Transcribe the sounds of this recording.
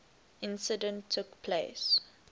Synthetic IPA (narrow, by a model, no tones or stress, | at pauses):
ʔɪ̃nsədə̃ntʰːʊkpʰles